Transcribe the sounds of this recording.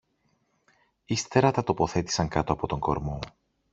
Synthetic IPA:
ist̪e̞ɾɐt̪ɐt̪o̞po̞θe̞t̪i̥sɐŋkɐt̪o̞ɐpo̞t̪o̞ŋɡo̞̰ɾmo̞

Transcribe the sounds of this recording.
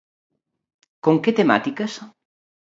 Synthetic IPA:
koŋket̪ema̰t̪ikɐs

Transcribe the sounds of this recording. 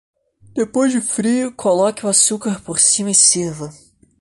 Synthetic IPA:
d̪̥epojzd͡ʒʊfɾiʊkʰolɔkɪʊasukaɾpoɾsĩmɐɪsiɾvɐ

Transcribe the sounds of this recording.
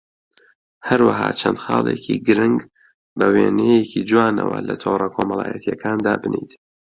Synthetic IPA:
hɐɾwaɦɑːt͡ʃʰɐnd̪xɑːlˠeːkʰiɡɨɾɨŋɡ | bɐweːnejekʰid͡ʒuwaːnɐwɐlɐt̪ʰoːwrɐkʰoːmɐlˠɑ̰ːjɐt̪ʰijɐkʰaːnd̪aːbɨnit̪

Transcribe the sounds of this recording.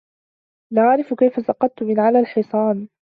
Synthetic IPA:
naʕɾɪfkajfasɑqɑt̪̚t̪ːʊmɪnʕalaːlħɨsˤɑːn

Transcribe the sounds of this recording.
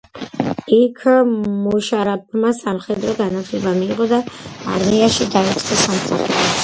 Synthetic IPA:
ikʰmuʃaɾap̚masamχɛd̪ɾɔɡanat̪ʰlɛbamiːʁɔd̪a̰ːɾmiaʃid̪aisʼqɛsamsaχṵɾi

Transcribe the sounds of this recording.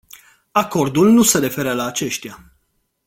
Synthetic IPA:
ako̞rd̪ulnuse̞ɾe̞fe̞ɾəlaːt͡ʃe̞ʃt̪ija

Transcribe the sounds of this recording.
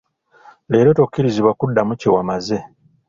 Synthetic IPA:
le̞ːɾo̞tokːiɾiziβwakudːamucewamaze̞

